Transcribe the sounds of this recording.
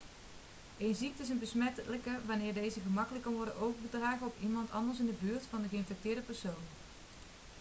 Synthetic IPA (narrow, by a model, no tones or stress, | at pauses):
ʔejnzik̚təɪs̬ənbəsmɛtləkəʋanɪːɹdejzəɣəmɑkələkːɑnʋɔɹdəʔowɣbədraːɣəɔpimɑntɑ̰ndəɹs̬ɪndəbyːɹtfɑndəɣəɪnfɛk̚tɪːɹdəpɛɹsown